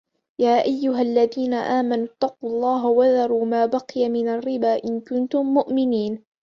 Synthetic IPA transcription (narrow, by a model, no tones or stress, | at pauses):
jaːʔajːʊɦalːaðiːnaʔaːmanʊt̪ːɑqulˤːɑːɦawaðɑɾˤuːmaːbɑqɨjamɪnarːɪbaːʔɪnkʊnt̪ʊmːʊʔmɪniːn